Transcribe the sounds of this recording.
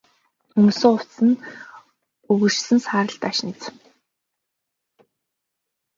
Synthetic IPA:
ɵmsoːʊw̥tsɘ̆n | ɵɣɵ̥̆t͡ɕsɘ̆nsaːɾə̆ɬt̪aʃnĭt͡s̆

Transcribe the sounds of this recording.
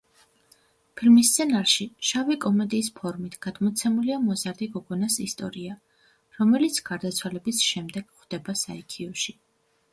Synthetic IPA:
pʰilmist̪sʰɛnaɾʃiʃavikʼɔmɛd̪iːspʰɔɾmit̪ʰɡ̥ad̪̥mɔt̪sʰɛmuliamɔzaɾd̪iɡɔɡɔnasist̪ʼɔ̰ɾia | ɾɔmɛlit̪sʰɡ̥aɾd̪at̪sʰwalɛbisʃɛmd̪ɛɡ̥χd̪̥ɛbasaɛkʰiɔʃi

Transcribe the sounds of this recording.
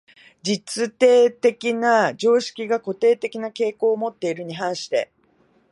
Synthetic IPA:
d͡ʑit͡sɨt̪e̞ːt̪e̞kʲinad͡ʑo̞ːɕi̥kʲiɡako̞t̪e̞ːt̪e̞kʲinake̞ːko̞ːmo̞t̪ːe̞iɾɯ̟ɲ̟iɦãɰ̃ɕi̥t̪e̞̰

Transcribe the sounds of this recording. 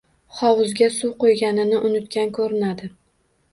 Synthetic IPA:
χɒwʊzɡʲasʊwqojɡʲanɪnɪʔʊnɪt̪kʲankʰɵɾɪnad̪ɪ

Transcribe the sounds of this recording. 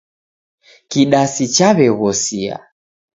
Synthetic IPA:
kiɗasit͡ʃaβɛɣɔsia̰

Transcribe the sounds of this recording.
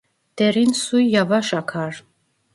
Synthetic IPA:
d̪̥ɛɾinsujːavaʃakʰaɾ

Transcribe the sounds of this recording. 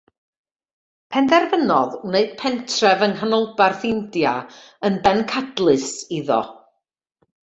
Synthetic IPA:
pʰɛndɛrvənɔðneɨd̥̚pʰɛntʰrɛvənɦanɔlˠbarθɪndjaənbɛnkʰadlˠɨsiðɔ̰

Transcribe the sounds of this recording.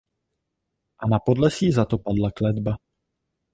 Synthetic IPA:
ʔanapo̞dlɛsiːzat̪opadlaklɛd̪ba

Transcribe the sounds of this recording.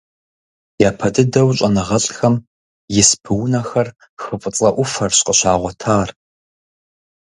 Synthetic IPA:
jaːpʰɐtʰʼɨdɐwɕʼɐnɐʁɐɬxɐm | jɪspʰɨwnɐxɐr | xɨfʼət͡sʼɐʔʷʊfɐrɕqʼəɕaːʁʷɔtʰaːr

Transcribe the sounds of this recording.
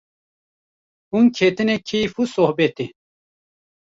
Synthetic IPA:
uŋkʰet̪inekʰijfusohbet̪i

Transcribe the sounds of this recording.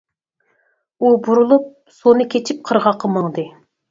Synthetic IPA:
ubuɾulˠup̚ | sonɨkʲʰet͡ʃʰip̚qʰəɾʁɑqʰːəməŋd̪ɨ

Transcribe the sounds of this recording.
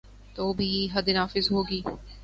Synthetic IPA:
t̪oːbʱiːɦɐd̪naːfɪzɦoːɡiː

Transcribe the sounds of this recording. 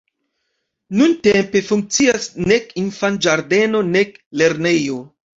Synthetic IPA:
nuntempe̞fuŋk̚t͡siasne̞kinfand͡ʒaɾde̞no̞ne̞kle̞ɾne̞jo̞

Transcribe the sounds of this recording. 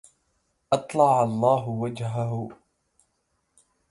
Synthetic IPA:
ʔɑt̪ˤlɑʕalˤːɑːɦʊwad͡ʒɦaɦʊ

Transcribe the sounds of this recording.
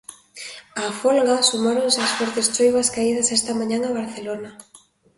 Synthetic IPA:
afolɣasumaɾoŋseasfoɾt̪est͡ʃojβaskaið̞asest̪amãɲãŋaβaɾθelona

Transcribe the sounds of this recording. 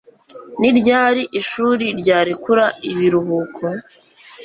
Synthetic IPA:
niɾɟaːɾiʔiʃuːɾiɾɟaːɾikuɾaiβiɾuɦuːkʰo

